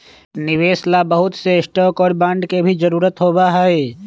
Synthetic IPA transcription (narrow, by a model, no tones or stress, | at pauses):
nɪʋeːslabɐɦʊt̪sesʈɔːkɔːɾbãːɳɖkebʱid͡ʒɐɾuːɾət̪ɦoːbaɦae